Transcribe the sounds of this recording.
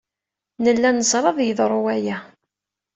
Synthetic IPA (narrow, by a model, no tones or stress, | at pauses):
nəlːænəzˤɾˤɑðˤjəðˤɾˤʊwæjæ